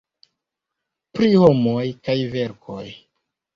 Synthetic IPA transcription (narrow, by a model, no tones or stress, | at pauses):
pɾiho̞mo̞jkajve̞ɾko̞̰j